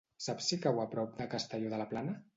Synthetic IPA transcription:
sapsikawapɾɔp̚d̪əkəst̪əʎɔðəlaplanə

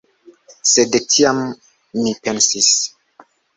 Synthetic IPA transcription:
sedetʰiamː | ipensis

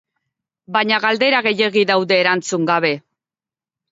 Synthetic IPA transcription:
baɲaɣald̪e̞ɾaɣe̞je̞ɣiðawðe̞ːɾant͡suŋɡaβe̞

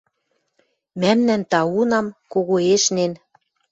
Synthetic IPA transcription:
mæmnænt̪ɑunɑmkoɣoeʃnen

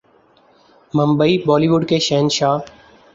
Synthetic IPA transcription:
məmbəiːbɔːliːʋʊɖkeːʃɛːnʃaː

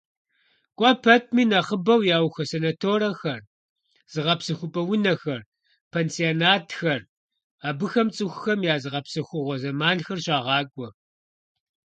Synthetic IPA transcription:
kʷʼɔpʰɐtʰmiːnɐχəbɐwjaːwxɐsenɐtʰoːɾɐxɐr | z̥ɨʁɐpsɨxʷʊpʼɐwʊnɐxɐr | pʰeːnsionaːtʰxɐr | aːbɨxɐmt͡sʼɨxʷʊxɐmjaːzɨʁɐpsɨxʷʊʁʷɔzɐmaːnxɐrɕʼɑːʁɑːkʷʼɔ

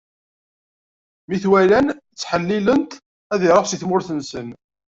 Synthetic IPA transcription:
miθwælænt͡sːħəlːilənt̪ | æðiɾˤəʁsiθmʊɾθənsən

